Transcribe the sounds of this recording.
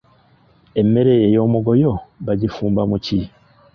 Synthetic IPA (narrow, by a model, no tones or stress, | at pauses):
e̞mːe̞ɾe̞jejo̞ːmuɡo̞jo̞βaɟifuːmbamuci